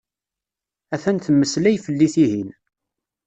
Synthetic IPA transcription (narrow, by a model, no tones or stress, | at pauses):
æθænθəmːəslæjfəlːiθiɦin